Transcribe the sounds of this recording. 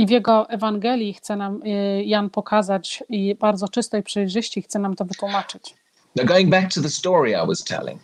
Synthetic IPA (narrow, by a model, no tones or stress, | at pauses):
ivjɛɡɔʔɛvaŋɡɛlʲjixt̪sɛnamjanpɔkʰazat͡ɕibaɾd̪zɔt͡ʂɘst̪ɛjpʂɘjʐɘɕt͡ɕixt̪sɛnamt̪ɔvɘt̪wumat͡ʂɘt͡ɕ | naɡoʊɪ̃ŋbæk̚tʰəðəstɔːɹia̰ɪwɒz̥tʰɛ̰lɪ̰̃ŋ